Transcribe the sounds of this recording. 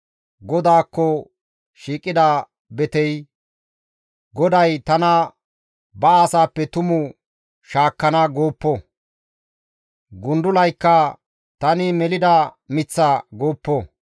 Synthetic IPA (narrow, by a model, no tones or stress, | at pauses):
ɡɔd̪aːkːɔ | ʃiːkʼːɪd̪a | bɛt̪ɛj | ɡɔd̪ɐjt̪ɐnɐ | bɐːsaːpːɛt̪ʊmʊ | ʃaːkːɐnɐɡoːpːo | ɡʊnd̪ʊlɐjkːɐ | t̪ɐnɪmɛlɪd̪ɐmɪt͡sːɐɡoːpːo